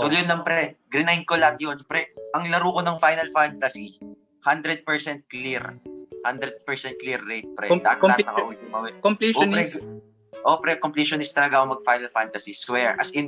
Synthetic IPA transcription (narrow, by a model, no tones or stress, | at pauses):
sojonlɐmpɾɛɡɾɪnajŋkolat̪̚jonpɾɛʔɐŋlɐɾuːkonɐŋfajnɐlfant̪ɐsi | hand̪ɾɛd̪̚pɛɹsɛnt̪̚kliɾhand̪ɾɛd̪̚pɛɹsɛnt̪̚kliɾːɛjt̪̚pɾɛ̰d̪a̰hɐt̪ːaɐt̪nɐkɐʔʊwɛd̪̚ʊŋmɐwɛkomplopɾɛ | ʔoːpɾɛkompliːʃonɪst̪ɐlɐɡaoŋmɐɡ̚fajnɐlfant̪ɐsiswɛɹʔɐsɪn